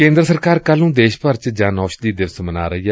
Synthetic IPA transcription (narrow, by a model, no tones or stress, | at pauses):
kẽːnd̪ɾəsəɾkaːɾkəlnũːd̪eːʃpəɾt͡ʃd͡ʒaːnɔːʃd̪iːd̪ɪʋsməna̰ːɾəiːɛ